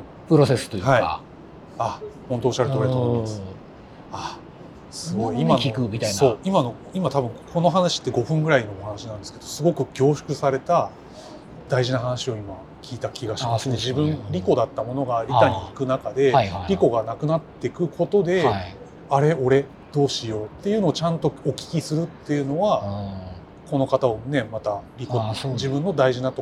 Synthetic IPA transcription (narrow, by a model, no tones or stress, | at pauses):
pɯɾosesɨ̥t̪ojhaia̰ | ahont̪oːɕaɾɯ̟oɾet̪omimasɨ | a | sɨɡo̞iimaikɯmit̪aiso̞ːimano̞ | imat̪abɯ̟̃ŋkʰo̞no̞ɦanaɕi̥t̪ːe̞ɡo̞ɸɯ̟̃ŋɡɯ̟ɾaino̞ohanaɕinãnd̪e̞sɨ̥ke̞d̪o̞sɨɡo̞kɯ̟ɡʲo̞ːɕɨ̥kɯ̟saɾe̞t̪a | d̪̥aiʑinaɦanaɕio̞ima | kʲʰiːt̪akʲiɡaɕimasɨne̞ʑibɯ̟̃ŋɾʲiko̞d̪at̪ːamo̞no̞ɡaːɾʲit̪aɲ̟iːkɯ̟nakad̪e̞ɾʲiko̞ɡanakɯ̟nat̪ːe̞kɯ̟kʰo̞t̪o̞d̪e̞ | aɾe̞o̞ɾe̞ | d̪̥o̞ːɕijo̞t̪ːe̞jɯ̟no̞ːt͡ɕãnt̪o̞okʲi̥kʲisɨɾɯ̟t̪ːe̞jɯ̟no̞βa | ko̞no̞kat̪aone̞mat̪aɾʲikod͡ʑibɯ̃nːo̞d̪aiʑinat̪o